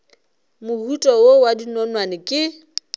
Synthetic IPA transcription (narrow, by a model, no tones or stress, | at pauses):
mʊhutʼɔowadinɔnwanɪkʼɪ